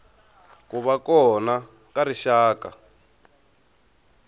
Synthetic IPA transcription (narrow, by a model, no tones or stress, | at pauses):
kuβakɔna | kaɾiʃaːka